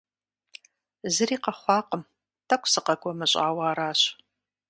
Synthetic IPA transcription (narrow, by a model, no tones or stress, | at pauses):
zɨriːqɐχʷɑːqəm | tʰɐkʷʰʼsɨqɐkʷʼɔmɨɕʼa̰ːwaːɾaːɕ